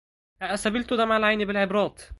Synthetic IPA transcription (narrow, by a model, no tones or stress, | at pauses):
ʔæʔæsæbelt̪od̪æmaʕalʕajnebelʕebɾˤɑːt̪